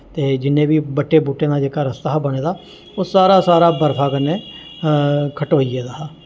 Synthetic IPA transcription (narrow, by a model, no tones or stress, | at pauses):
t̪eːd͡ʒɪnːẽːbiːbəʈːeːbuːʈːeːd̪aːd͡ʒeːkaːɾəst̪aːbəɽ̃eːd̪aː | oːsaːɾaːsaːɾaːbəɾpʰaːkənːeː | kʰəʈoːieːd̪aː